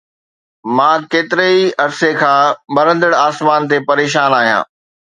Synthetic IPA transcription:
mãːkeːt̪ɪɾeiɐɾsekʰãːɓɐɾə̃nd̪əɽaːsmaːnt̪epɐɾeːʃ̬aːnaːɦijã̰ː

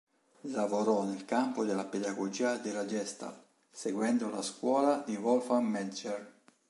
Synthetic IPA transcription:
lavoɾɔnelkampod̪elːaped̪aɡod͡ʒiːad̪elad͡ʒɛst̪a̰l | seɡwɛnd̪ola̰skwɔːlad̪ivɔlfamːɛd͡ʒɛr

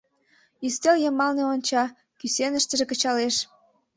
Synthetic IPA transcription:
ist̪eljəmɑlneonʲt͡ɕɑ | kysenəʃt̪əʒekət͡ɕɑleʃ

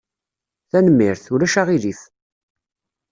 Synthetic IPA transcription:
θænəmːɪɾθuɾæʃaʁiliθ

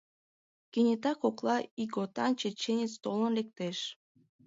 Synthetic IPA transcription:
kenʲet̪ɑkoklˠɑiɡot̪ɑnʲt͡ɕet͡ɕenʲet͡st̪olə̆nlek̚t̪eʃ

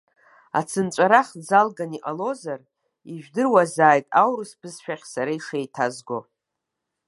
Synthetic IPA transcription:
a̰t͡sʰɨnt͡ʃʷʼaɾaχd͡zalɡaniʔalo̞zar | iʒᶣdɨrwazaːjtʼawɾɨsbʰɨzʃᶣaχʲsaɾaiʂejtʰazɡo

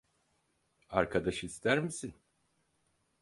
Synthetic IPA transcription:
aɾkʰad̪aʃɯist̪ʰæɾmisin

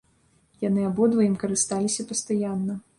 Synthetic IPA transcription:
janɨabɔd̪vɐjimkɐɾɨst̪alʲisʲɐpɐst̪ajanːɐ

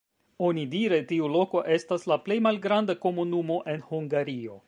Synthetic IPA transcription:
o̞nidiɾe̞tiulo̞ko̞ʔe̞staslaple̞jmalɡɾandako̞munumo̞ʔe̞nhuŋɡaɾio̞

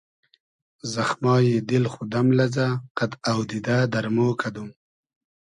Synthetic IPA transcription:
zaxmɑːjed̪ɪlxud̪amlazaqat̪awd̪id̪ad̪aɾmoːkʰad̪um

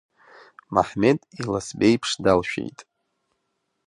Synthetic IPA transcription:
ma̰ħmetʼilasbejpʰʂdalʃᶣḛjtʼ

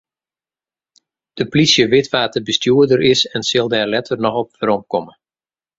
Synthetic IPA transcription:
d̥əplisjəʋɪtʋaːtəbəstjuədəɾɪsɛnsɪlˠdɛːrlɛtʰərnɔxɔp̚əɾɔmkɔmə

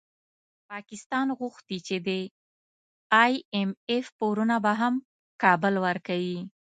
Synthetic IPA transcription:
pɑkɪst̪ɑnɣʊxt̪it͡ʃed̪e | ɑjemefpoɾunabaɦam | kɑbəlwəɾkawi

